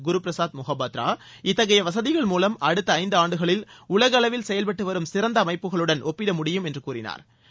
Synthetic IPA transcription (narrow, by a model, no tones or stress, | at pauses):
ɡʊɾupɪɾɐsaːd̪mʊɣɐbaːt̪ɾa̰ː | ɪt̪ːɐɣɐjɐʋɐs̬ɐðɪɣɐɭmuːlɐmɐɽɯt̪ːɐɐɪnd̪ɯaːɳɖɯɣɐɭɪlʊɭɐɣɐɭɐʋɪlsɛjɐlpɐʈːɯʋɐɾɯmsɪɾɐnd̪ɐːmɐɪpːɯɣɐɭɯɽɐnʔɔpːɪɽɐmʊɽɪjɯmɛndrɯkuːrɪna̰ːɾ